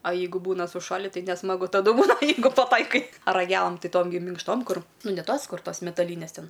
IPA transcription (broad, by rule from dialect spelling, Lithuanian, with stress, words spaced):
ɐ ˈjɛɪɡʊ ˈbuːnɐ sʊˈʃɑːlʲɪ tɐɪ nʲɛsmɐˈɡʊ tɐˈdʊ ˈbuːnɐ ˈjɛɪɡʊ pɐˈtɐɪkɐɪ rɐˈɡʲæːlˠɐm ˈtʲɪ ˈtoːm ɡʲɪ mʲɪŋkʃˈtoːm ˈkʊr ˈnʊ nʲɛ ˈtoːs ˈkʊr ˈtoːs mʲɛtɐˈlʲiːnʲɛs ˈtʲɛn